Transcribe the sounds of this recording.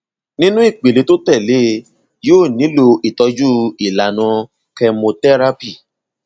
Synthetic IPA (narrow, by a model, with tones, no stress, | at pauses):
nĩ˦nũ˦i˦˨k͡pe˨le˨˧to˦tɛ˦˨le˦ | joː˦˨nĩ˨˦lo˧i˨tɔ˧d͡ʒu˦i˨la˨nã˧ | kɛ˧mõ˧tɛ˦ɾa˦pi˦˨